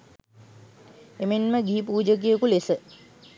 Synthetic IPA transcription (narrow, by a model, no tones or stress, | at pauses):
emenməɡiːp̬uːd͡ʒək̬ijəkulesə